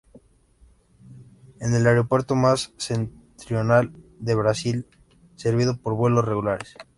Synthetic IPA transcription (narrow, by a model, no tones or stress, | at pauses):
e̞ne̞laɾeopwe̞ɾt̪o̞masːent̪ɾjo̞nald̪e̞βɾasil | se̞ɾβiðo̞po̞ɾβwe̞losre̞ɣulaɾes